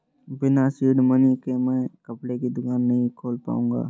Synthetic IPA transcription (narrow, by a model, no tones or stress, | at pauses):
bɪnasiːɖmənikemɛ̃ːkɐpɽekid̪ʊkaːnːɐɦĩkʰoːlpa̰ːṵ̃̆ːɡa̰ː